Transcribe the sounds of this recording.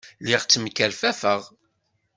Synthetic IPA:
lɪʁt͡sːmkːæɾfæfəʁ

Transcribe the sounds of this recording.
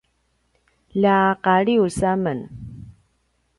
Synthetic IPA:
laqaɭiusamən

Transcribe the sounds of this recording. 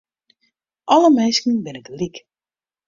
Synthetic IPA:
ʔɔləmɛnskən̩bɪnədəlik

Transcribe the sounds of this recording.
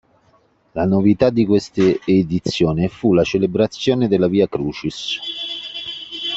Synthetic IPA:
lanovit̪ad̪ːikwest̪eed̪it̪sːjoːnɪfulat͡ʃelebɾat̪sːjoːned̪elːaviːakɾuːt͡ʃis

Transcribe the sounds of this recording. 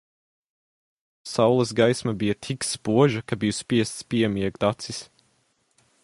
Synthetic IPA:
sawlˠɐs̬ɡajsmɐbijɐt̪ʰikspuɔʒɐkabijuspiɛst̪spiɛmiɛɡd̪at̪sis

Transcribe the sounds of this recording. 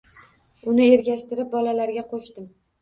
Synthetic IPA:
ʊnɪe̞ɾɡʲaʃt̪ɪɾɪp̚bɒlalaɾɡʲaqʰoʃt̪ɪm

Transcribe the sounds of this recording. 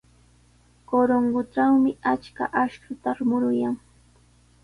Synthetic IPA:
koɾoŋɢʊʈ͡ʂawmɪʔat͡ʃka̰ʔaʃkʊt̪aɾmʊɾʊjaŋ

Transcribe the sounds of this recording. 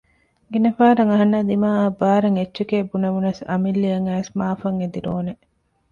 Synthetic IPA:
ɡinɐfaːɾɐŋɐɦɐnːɐd̪imaːɐbaːɾɐŋet͡ʃːt͡ʃːekeːbunɐʋunɐsɐ̰milːiɐŋæːsmaːfɐŋed̪iɾoːne

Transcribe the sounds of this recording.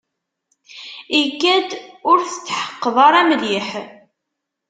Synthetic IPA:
iɡæd̪ʊɾθə̥t͡sːħə̥qːəðˤɑɾˤæmliħ

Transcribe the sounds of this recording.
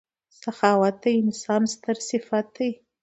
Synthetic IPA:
saxɑwat̪̚ajɪnsɑnst̪əɾsɪfat̪̚daj

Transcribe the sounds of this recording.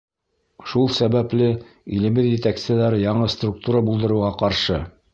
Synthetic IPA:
ʃulˠsæβæplɘ | ilɘ̆mɘðjɘ̆t̪æksɘ̆ðæɾjɑɴɤst̪ruk̚t̪uɾabulˠd̪ɤ̆ɾɤ̆wʁɑqɑɾʃɤ

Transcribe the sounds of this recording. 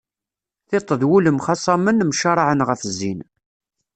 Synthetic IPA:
θet̪ˤːəðwuləmχɑsˤɑmənmʃɑɾˤʕənʁəfzːin

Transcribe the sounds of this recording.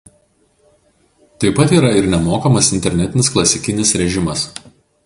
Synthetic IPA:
t̪ɐɪpɐt̪iːɾɐɪɾnʲɛmoːkɐmɐsɪnʲt̪ʲɛɾʲnʲɛt̪ʲɪnʲɪsklˠɐsʲɪkʲɪnʲɪsɾʲɛʒʲɪmɐs

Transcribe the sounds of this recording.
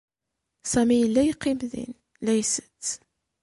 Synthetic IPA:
sæmijəlːæjəqːimðḭn | læjsə̥t͡sː

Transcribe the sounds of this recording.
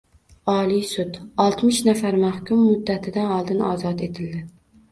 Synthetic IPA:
ɒlˠisʊd̪ɒlˠt̪mɪʃnafaɾmahkʲʰʊmːʊd̪ːat̪ʰɪd̪anɒlˠd̪ɪnɒ̰ːzɒt̪et̪ʰɪld̪ɪ

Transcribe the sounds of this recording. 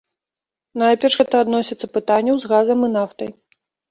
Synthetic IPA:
najpʲɛʂɣɛt̪ɐːd̪nɔsʲit̪sɐpɨt̪anʲːɐwzɣazɐmɨnaft̪ɐj

